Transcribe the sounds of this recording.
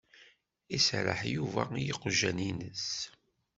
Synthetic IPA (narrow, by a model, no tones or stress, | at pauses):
isɾə̰ħjuvæ̰jiqːʒæninəs